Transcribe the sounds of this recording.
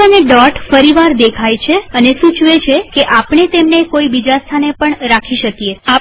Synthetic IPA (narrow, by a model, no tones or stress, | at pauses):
əneɖɔʈfəɾiʋaɾd̪ekʰajt͡ʃʰeənesut͡ʃʋet͡ʃʰekeʔapɳet̪emnekoibid͡ʒast̪ʰanepəɳɾakʰiʃəkjea